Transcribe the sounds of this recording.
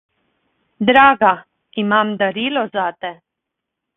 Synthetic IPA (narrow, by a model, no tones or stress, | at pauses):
d̪ɾaːɡa | imaːmd̪aɾiːlɔzat̪ɛ